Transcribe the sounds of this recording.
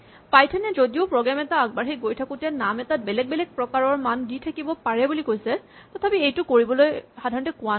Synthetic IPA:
pajtʰɛnɛzodiʊpɹɔɡɹamɛtaːɡ̚baɹxiɡojtʰakʊtɛnamɛtat̚bɛlɛɡ̚bɛlɛk̚pɹɔkaɹɔɹmanditʰakibɔpaɹɛbulikojsɛ | tɔtʰapiejtʊkoɹibɔlojxadʱaɹɔntɛkʊan

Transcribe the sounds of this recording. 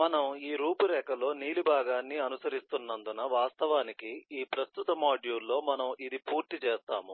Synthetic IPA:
mɐnɐmiːɾuːpuɾɛːkɐlo̞ːniːlibʱaːɡaːnːiɐnusɐɾist̪unːɐnd̪unɐʋaːst̪ɐʋaːnikiiːpɾɐst̪ut̪ɐmaːɖjuːlːo̞ːmɐnɐmid̪ipuːɾt̪it͡ʃɛːst̪a̰ːmu

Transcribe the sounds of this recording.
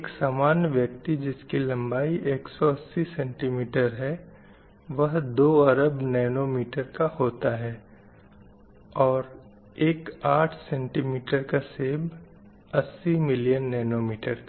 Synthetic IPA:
eksaːmaːnjəʋjək̚t̪id͡ʒɪskilɐ̃mbaːiʔeːksɔɐsːisɛ̃ɳʈimiːʈəɾɦɛ | ʋɐɦd̪oːɐɾəbnɛːnomiːʈəɾkahoːt̪aɦɛː | ɔːɾ | eːkaːʈʰsɛ̃ːɳʈimiːʈəɾkaseːb | ɐsːimɪlijənːɛːnoːmiːʈəɾka

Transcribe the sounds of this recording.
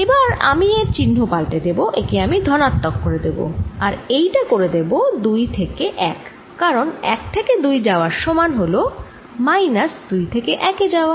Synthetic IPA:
ebaɾa̰mieɾt͡ɕinɦopalʈed̪eboʔekeamid̪ʱɔnat̪ːokːoɾed̪ebo̰aɾejʈakoɾed̪ebod̪ujt̪ʰekeʔɛkː | aɾonɛ̰k̚t̪ʰeked̪ujd͡ʑaoaɾʃɔmanɦolo | majnasd̪ujt̪ʰekeʔɛked͡ʑaoa

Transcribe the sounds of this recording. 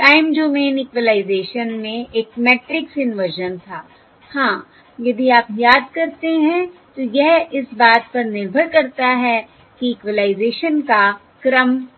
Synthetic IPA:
ʈaːɪmd͡ʒoːmeːnɪkʋəlaːɪzeːʃənmẽeːkmɛːʈɾɪksɪnʋəɾʒənt̪ʰaː | hãː | jɐd̪iaːpjaːd̪kɐɾt̪eɦɛ̃t̪ojɛɦɪsbaːt̪̚pɐɾnɪɾbʱəɾkɐɾt̪aɦɛ | kiɪkʋəlaːɪzeːʃənka | kɾəm

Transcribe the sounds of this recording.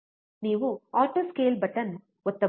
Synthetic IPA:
niːʋuaːʈoːskeːlbɐʈɐn | ɔt̪ːɐ

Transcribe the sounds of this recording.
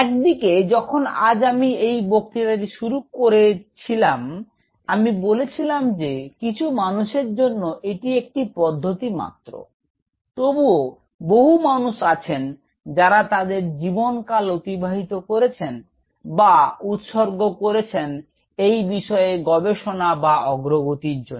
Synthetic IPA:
ɛk̚d̪iked͡ʑɔkʰona̰d͡ʑamiejbok̚t̪iɾaʈiʃuɾukoɾet͡ɕʰilam | amibolet͡ɕʰilamd͡ʑekit͡ɕʰumanuʃeɾd͡ʑonːoʔeʈiek̚ʈipɔd̪ʱːot̪ima̰t̪ːɾo̰ | t̪obuo | boɦumanuʃat͡ɕʰen | d͡ʑaɾat̪ad̪eɾd͡ʑibonkalot̪ibʱaɦit̪okoɾet͡ɕʰen | baut̪ʃoɾɡokoɾet͡ɕʰen | ejbiʃɔeɡɔbeʃonabaɔɡɾoɡot̪iɾd͡ʑon

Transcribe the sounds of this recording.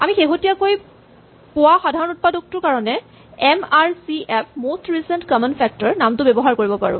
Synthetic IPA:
amixeɦotijakoj | pʊwaxadʱaɹɔnut̚padɔk̚tʊɹkaɹɔnɛ | ɛmaɹsiʔɛpʰmostɹisɛntkɔmɔnpʰɛk̚tɔɹnamtʊbɛbɔɦaɹkoɹibɔpa̰ɹʊ̰̃

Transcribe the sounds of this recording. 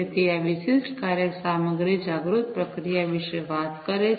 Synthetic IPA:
et̪iaʋisisʈkaːɾjəksaːməɡɾid͡ʒaːɡɾut̪̚pɾəkɾijaʋɪʃəjʋaːt̪kəɾe

